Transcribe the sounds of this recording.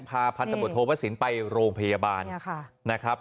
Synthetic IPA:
mpʰaː˧pʰa˧nt̪a˧bu˨˩t̪ʰːoː˧pʰa˦˥t̚si˩˦npa˧jɾoː˧ŋpʰa˧jaː˧baː˧nʰna˦˥kʰɾa˦˥p̚

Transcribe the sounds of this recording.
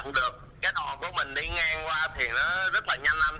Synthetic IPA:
ŋɗɨ˨˩ək̚ | kaː˨˦jɗɔ˨˩ku˧˩əmï˨˩ŋ̟ɗi˧˦ŋaː˧ŋkwaː˧t̪ʰi˨˩nɔ˨˦zə˦˥t̚laː˨˩ɲa˧jŋʔa˧n

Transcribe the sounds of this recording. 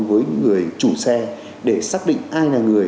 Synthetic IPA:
vəː˨˦jŋɨ˨˩əjt͡ɕu˧˩sɛ˧ | ɗe˧˩saː˦˥k̚ɗḭ̈˧˨ŋ̟ʔaː˧jlaː˨˩ŋɨ˨˩əj

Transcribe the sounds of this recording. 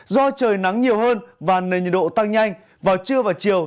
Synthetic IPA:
zɔ˧t͡ɕəː˨˩jna˨˦ŋɲi˨˩əwhəː˧nvaː˨˩ne˨˩ɲ˨˩ɗo̰˧˨t̪a˧ŋɲa˧jŋ̟ | vaː˨˩wt͡ɕɨ˧əvaː˨˩wt͡ɕi˨˩əw

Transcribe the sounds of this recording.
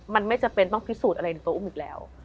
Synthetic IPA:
ma˧nma˥˩jt͡ɕa˨˩pe˧nt̪ɔ˥˩pʰi˦˥suː˨˩t̪ʔa˧ɾa˧jna˧jt̪u˧ʔu˥˩miː˨˩k̚lɛ̰ː˦˥w

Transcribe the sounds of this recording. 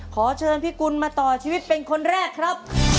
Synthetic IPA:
kʰɔː˩˦t͡ɕʰɤː˧npiː˦˥˩ku˧nmaː˧t̪ɔː˨˩t͡ɕʰiː˧wi˦˥t̪̚pe˧nkʰo˧nɾɛː˥˩kʰːɾa˦˥p̚

